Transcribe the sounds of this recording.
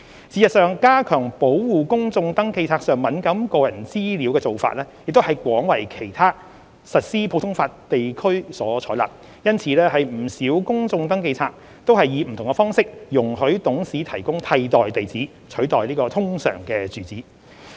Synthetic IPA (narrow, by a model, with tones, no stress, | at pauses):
t͡sʰiː˨˩jɐ˨t̚sœː˨˧ŋkaː˥kʰœː˨˩ŋpo˨˥wwuː˨kʊ˥ŋt͡sʊ˧ŋt̪ɐ˥ŋke˧jt͡sʰaː˧k̚sœː˨ŋmɐ˨˥nkɐ˨˥mkɔː˧jɐ˨˩nt͡siː˥li˨˥wkɛː˧t͡so˨wfa̰ː˧t̚lɛː˥jɪ˨k̚t̪o˥hɐ˨jkʷɔː˨˥ŋwɐ˨˩jkʰe˨˩jt̪ʰaː˥ | sɐ˨t̚siː˥pʰwt̪ʰʊ˥ŋfaː˧tt̪e˨jkʰɵ˥ɥsɔː˨˥t͡ʃʰɔː˨˥la̰ː˨˩p̚ | jɐ˥nt͡sʰiː˨˥lɛː˥hɐ˨jm̩˨˩siː˨˥wkʊ˥ŋt͡sʊ˧ŋt̪ɐ˥ŋke˧jt͡sʰaː˧k̚ | t̪o˥wɦɐ˨jːiː˨˧m̩˨˩t̪ʰʊ˨ŋkɛ˧fɔː˥ŋsɪ˥k̚jʊ˨˩ŋhɵ˨˥ɥt̪ʊ˨˥ŋsiː˨˥t̪ʰɐ˨˩jkʊ˥ŋt̪ʰɐ˧jt̪ɔː˨jt̪e˨jt͡siː˨˥ | t͡ʃʰɵ˨˥ɥt̪ɔː˨jliː˥kɔː˧t̪ʰʊ˥ŋsœ̰ː˨˩ŋkɛː˧t͡syː˨˩t͡siː˨˥